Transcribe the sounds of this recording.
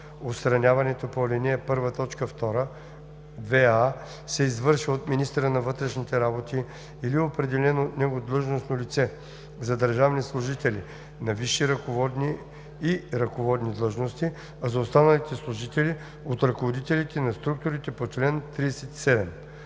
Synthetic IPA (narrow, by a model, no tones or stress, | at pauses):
ot̪st̪ɾɐnʲavɐnɛt̪opolʲiniɛpɤɾvət̪ɔt͡ʃkəft̪ɔɾə | vɛa | sɛizvɤɾʃiot̪minist̪əɾənɐvɤt̪ɾɛʃnit̪ɛɾabot̪iː | liopɾɛd̪ɛlɛnot̪nɛɡod̪lˠɤʒnosnolʲit̪sɛ | zɐd̪əɾʒavnislˠʊʒit̪ɛlḭ | nɐviʃːiɾɐkovɔd̪niː | ɾɐkovɔd̪nid̪lˠɤʒnost̪i | azɐost̪anɐlit̪ɛslˠʊʒit̪ɛli | ot̪ɾɐkovod̪it̪ɛlit̪ɛnɐst̪ɾuk̚t̪ʊɾit̪ɛpot͡ʃlɛnt̪ɾiɛsɛt̪i̥sɛd̪ɛm